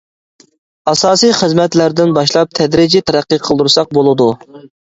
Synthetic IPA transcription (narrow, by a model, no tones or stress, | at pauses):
ɑsɑːsijχəzmɛt̪læɾd̪ɪnbɑʃlˠɑp̚t̪ʰɛd̪ɾid͡ʒit̪ʰɛɾæqːiqʰəlˠd̪uɾsɑq̚bolˠɨd̪u